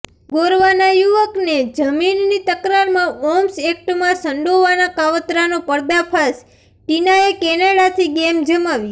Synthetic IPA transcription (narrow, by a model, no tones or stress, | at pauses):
ɡoɾʋanajuʋəkned͡ʒəminːit̪əkɾaɾmãɔmsek̚ʈmãsəɳɖoʋanakaʋət̪ɾanopəɽd̪apʰas | ʈinaekɛnaɽat̪ʰiɡemd͡ʒəmaʋj